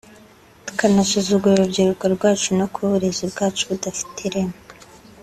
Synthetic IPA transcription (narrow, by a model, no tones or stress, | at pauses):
tu̥kanasuzuɡuuɾubɟiɾukaɾɡwaːt͡ʃunokʰuβuɾezibɡaːt͡ʃuβudafi̥tʰiɾem